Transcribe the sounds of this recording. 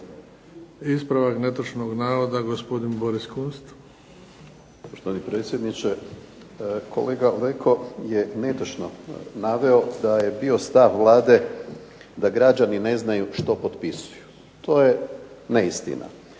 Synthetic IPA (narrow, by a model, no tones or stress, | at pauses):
ispɾaʋaknet̪ot͡ʃnoɡnaːɾod̪aɡospod̪inboɾiskunst̪ | poʃt̪oanipɾet̪sʲje̞d̪nit͡ʃe | kʰole̞ːɡalekʰo̞je̞ne̞t̪ot͡ʃnonaʋe̞o̞d̪aje̞bio̞st̪aʋʋlˠaːd̪e̞ | d̪aɡɾad͡ʒanine̞znajuʃt̪o̞po̞t̪pisu̥ju | t̪ʰo̞ːje̞neist̪ḭnʔa̰